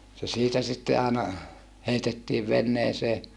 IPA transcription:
se siːtæ sitːe ɑːnɑ heitetːiːʋ ʋenːeːseː

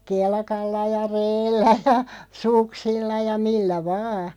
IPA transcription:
kelkɑlːɑ jɑ reːlːæ jɑ suksilːɑ jɑ milːæ ʋɑː

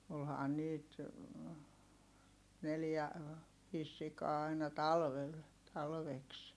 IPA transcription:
olhɑːn niːt neljæ ʋiːs sikɑː ɑinɑ tɑlʋel tɑlʋeks

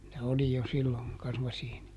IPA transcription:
ne oli jo silːoŋ kɑsmɑsiːni

